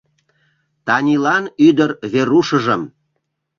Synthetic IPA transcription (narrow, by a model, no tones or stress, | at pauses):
t̪ɑnʲilɑnyd̪ərβeɾuʃəʒəm